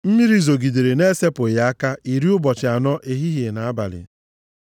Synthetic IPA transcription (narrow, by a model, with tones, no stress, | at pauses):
m̩˦mi˦ɾi˦zo˨ɡi˨de˨ɾe˨ne˦se˦pʊ˨ja˦a˦ka˦i˨ɾi˦ʊ˦bɔ˨t͡ʃɪ˨a˨nɔ˦ʔe˨ɦi˦ɦje˨na˨a˦ba̰˨lɪ̰˨